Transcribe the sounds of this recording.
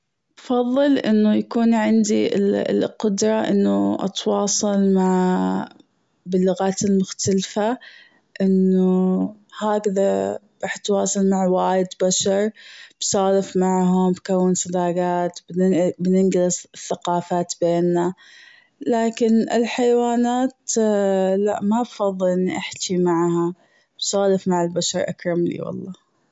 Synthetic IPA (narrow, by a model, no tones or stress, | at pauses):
bfɑðˤːɨlʔɪnːʊjakuːnʕɪnd̪ilqʊd̪ɾˤɑʔɪnːuʔɑ̰t̪wɑːsˤɑlmaʕ | bɪlːʊɣaːt̪ɪlmʊxt̪alfa | ʔɪnːuhaːkðaɾˤɑːħt̪wɑːsɑlmaʕwaːjɪd̪baʃɑɾˤb̥saːlɪfmaʕɦʊmbkawːɪnsˤɑd̪aːɡaːt̪bbnɪnɡɪlθːaqɑːfaːt̪beːnːa | laːkɪnɪ̰lħajwaːnaːt̪ | la̰ʔmabfɑðˤːɨlʔɪnːiʔaħt̪imaʕha | b̥sˤɑːlɪfmaʕɪlbaʃɑɾˤʔa̰kɾˤɑmlḭwɑ̰lˤːɑː